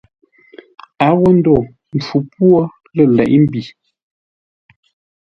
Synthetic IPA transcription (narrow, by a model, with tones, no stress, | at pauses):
a˨˦wə˦n̩˦do˨ | n̩˨tu˨˦pwɔ˦ | lə˦˨lɛ̰˨ʔm̩˦bi˨